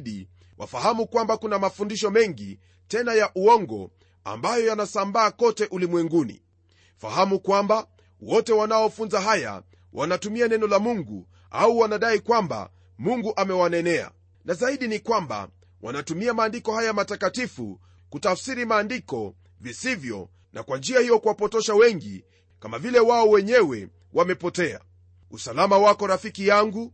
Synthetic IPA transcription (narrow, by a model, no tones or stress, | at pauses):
ɗi | wʔa̰faɦamukwambakunamafundiʃɔmɛŋɡi | tɛnajaʔuɔŋɡɔ̰ | a̰mbajɔjanasambaːkɔtɛʔulimwɛŋɡunḭ | fa̰hamukwamba | wɔtɛwanaɔfunzaɦaja̰ | wʔanatumianɛnɔlamuŋɡṵ | a̰uwanaɗaikwamba̰ | muŋɡuʔamɛwanɛnɛa̰ | nazaiɗinikwamba̰ | wa̰natumiamaːndikɔhajamatakatifṵ | kutafsiɾimaːndikɔ | visivjɔ̰ | nʔa̰kwand͡ʒiahijɔkuwapɔtɔʃawɛŋɡḭ | kamavilɛwaɔwɛɲɛwɛ̰ | wʔamɛpɔtɛa̰ | usalamawakɔɾafikijaŋɡu